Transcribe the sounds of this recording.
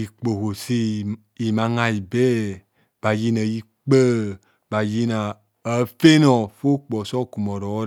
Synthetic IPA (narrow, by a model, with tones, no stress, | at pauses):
i˨k͡po˨ɦo˨si˦˨ | i˨mã˨˦ŋa˦i˨bɛ˦ | b̥a˨ji˦na˨ji˦ | k͡pə˦ | ba˨ji˦na˨ | ə˨˦fe˦nɔ˨fo˦k͡pɔ˨sɔ˦˨ku˨mɔ˨ɾɔ˨˦